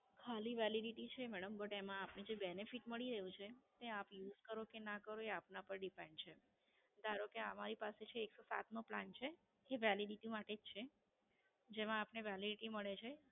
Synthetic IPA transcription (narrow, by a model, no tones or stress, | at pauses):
kʰaliʋɛliɖiʈit͡ʃʰemɛɽəmbəʈemãapned͡ʒebɛnefiʈməɭiɾəɦjũt͡ʃʰet̪eapjuzkəɾokenakəɾoeapnapəɾɖipeɳɖt͡ʃʰe | d̪aɾokeəmaɾipaset͡ʃʰeːksosa̰t̪nũpla̰nt͡ʃʰeː | ʋɛliɖiʈiumaʈed͡ʒt͡ʃʰe | d͡ʒemãːpneʋɛliɖiʈiməɭet͡ʃʰe